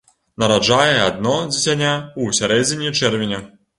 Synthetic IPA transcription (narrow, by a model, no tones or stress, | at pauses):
nɐɾad͡ʐajɛad̪̚nɔd͡zʲet͡sʲanʲausʲaɾɛd͡zʲɪnʲit͡ʂɛrvʲenʲɐ